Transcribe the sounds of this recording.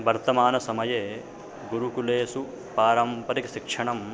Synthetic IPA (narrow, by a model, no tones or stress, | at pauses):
ʋɐɾt̪ɐmaːnɐsɐmɐjeː | ɡuɾukuleːsu | paːɾɐmpɐɾikɐʃikʂɐɳɐm